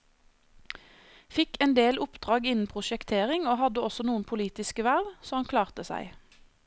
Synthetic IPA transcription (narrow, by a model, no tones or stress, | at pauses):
fɪkɛnd̪eːlʊpd̪ʁɑːɡɪnn̩pʰʁʊʃɛkt̪ʰeːʁɪŋoːhɑd̪əɔsɔnuːənpʰʊliːt̪ɪskəʋæʁʋsɔːhɑnkʰlɑːʁt̪əsæ̰ɪ